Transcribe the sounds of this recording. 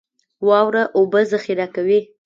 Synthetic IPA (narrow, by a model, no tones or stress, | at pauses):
wɑwɾaʔobəzaxiɾakawi